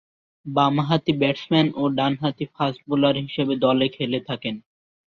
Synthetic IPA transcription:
bamaɦat̪ibɛʈsmɛnoɖanɦat̪ifasʈ̚bulaɾɦiʃebed̪ɔlekʰelet̪ʰaken

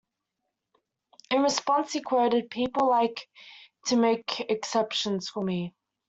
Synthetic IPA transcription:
ɪ̃nɹɪspɒ̃nshikʰw̥əʊɾɪd̚pʰiˑpəl̩ˠlaɪktʰəmeɪkʰɨksɛpʃə̃nz̥fəmi

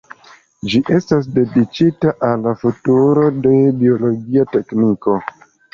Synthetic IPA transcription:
d͡ʒiʔe̞stas̬de̞dit͡ʃitaʔalːafutuɾo̞de̞bio̞lo̞ɡiate̞kniko̞

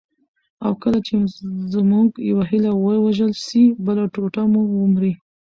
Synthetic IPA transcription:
awkəlat͡ʃezmuɡjawaɦilawəwaʒəlʃibəlaʈoʈamuwʊmɾi

